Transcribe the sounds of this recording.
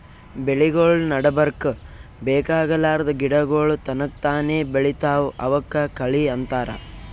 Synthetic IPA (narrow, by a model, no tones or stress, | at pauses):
beɭiɡoːɭnɐɽɐbɐɾkbeːkaːɡɐlaːɾɐd̪ɐɡiɽɐɡoːɭut̪ɐnɐk̚t̪aːneːbeɭit̪aːʋuʔɐʋɐkːɐkɐɭiɐnt̪aːɾɐ̰